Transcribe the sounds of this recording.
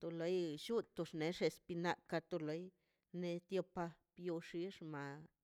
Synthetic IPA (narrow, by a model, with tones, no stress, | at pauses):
t̪o˧lo˨˦jʃu˦t̪o˧ʂne˨˦ʂe˧spi˧na˧ka˧t̪o˧lo˨˦j | ne˧t̪jo˧pa˧pjo˧ʂi˧˦ʂma˧